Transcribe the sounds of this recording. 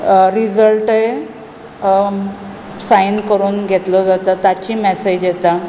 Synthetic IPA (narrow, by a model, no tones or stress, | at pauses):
ɾid͡zəlʈe | sajnkəɾuːnɡʱet̪lɔd͡zat̪at̪at͡ɕiːmɛsed͡ʑjet̪a